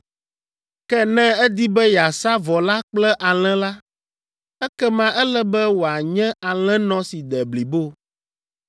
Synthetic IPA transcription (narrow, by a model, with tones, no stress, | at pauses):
kɛ˦nɛ̃˦ɛ˦d̪i˦bɛ˦ja˨sa˦vɔ˨la˦k͡plɛ˦ʔa˨l̃ɛ̃˦la˦ | ɛ˦kɛ˦mã˦ʔɛ˦lɛ˦bɛ˦wo˨a˨ɲɛ̃˦a˨l̃ɛ̃˦nɔ̃˦si˨d̪ɛ˨bli˨bo˦